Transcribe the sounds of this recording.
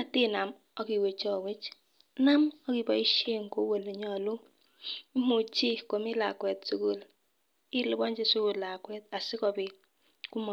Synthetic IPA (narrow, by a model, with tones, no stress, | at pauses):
a˨ti˦na˨m | ɔ˦ki˨we˨t͡ʃɔ˦˨we˦t͡ʃ | na˦mɔ˦ki˨bɔ˨i˦ʃe˦ŋko˦we˨le˨ɲɔ˨lo˦ | i˦mu˨t͡ʃi˦ko˨mi˦la̰˨kwɛ˨tsu˦ku˦l | i˦lʊ˦bɔ˦ɲd͡ʒe˦su˦ku˦˨lla˨kwɛ˦t̚a˨sɪ˦kɔ˨bɪ˨ | ku˦mɔ˨